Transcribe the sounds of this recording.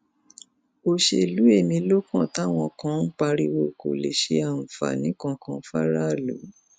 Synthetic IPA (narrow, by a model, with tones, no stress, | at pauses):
o˧ʃe˧i˨lu˨˦e˦˨mĩ˧˦lo˦kã˦˨ta˦w̃ɔ̃˧˨kã˦k͡pa˧ɾi˧wo˧˨ko̰˨le˨ʃe˧a˨ñ̩˨fa̰˨nĩ˨˦kã˧kã˧fa˦ɾa˦˨lu˨˦